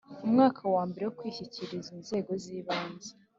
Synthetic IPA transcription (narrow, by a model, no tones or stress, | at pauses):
umŋaːkʰawaːmbeɾe̞wokwiːçiciɾizinze̞ːɡo̞ziːβaːnze